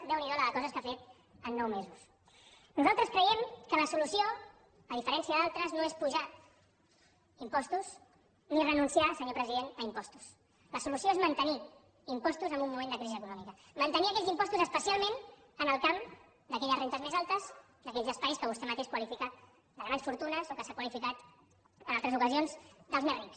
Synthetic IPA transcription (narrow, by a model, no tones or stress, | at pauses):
d̪ɛwniðɔləðəkɔzəskafet̪ | ənːɔwmezus | nuzalˠt̪ɾəskɾəjɛmkələsulusio | əðifəɾɛnsiəðalˠt̪ɾəznoespuʒa | impɔst̪uz | nirənunsiasəɲopɾəziðenəimpɔst̪u̥s | ləsulusijoezmənt̪əni | impɔst̪uzəmbumːumẽnd̪əkɾiziəkunɔmikə | mənt̪əniəkɛʎzimpɔst̪uzəspəsialˠmẽn | ənəlˠkam | d̪əkɛʎəzrent̪əzmezalˠt̪əz | d̪əkɛʎzəspajskəβust̪ɛmət̪eʃkwəlifikat̪ | d̪ələβaʎsfuɾt̪unəzokəsakwəlifikat̪ | ənalˠt̪ɾəzukəzionzd̪əlˠzmɛriks